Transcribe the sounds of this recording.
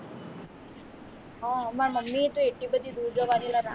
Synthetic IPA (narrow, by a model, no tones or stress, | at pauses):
ɦɔəmaɾməmːit̪ũeʈːibəd̪ʱid̪uːɾd͡ʒəʋanilana̰